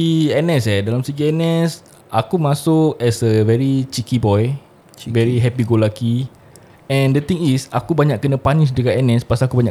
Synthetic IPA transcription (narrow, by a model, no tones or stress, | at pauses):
iɛnɛsɛdalamsəɡiɛnɛs | ʔakumãsʊk̚ɛsəvɛɾit͡ʃikibɔj | vɛɾiɦɛpiɡolaki | ɛ̃ndət̪ĩŋisakubaɲaʔkːənə̃paniʃdəkaʔɛnɛspasakubaɲã